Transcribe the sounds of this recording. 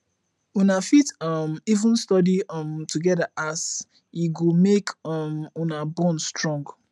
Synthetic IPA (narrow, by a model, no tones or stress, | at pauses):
unafitɔmivũnstɔdiɔmtuɡɛdaʔas | iɡomekɔmunabɔ̃nstɹɔ̃ŋɡ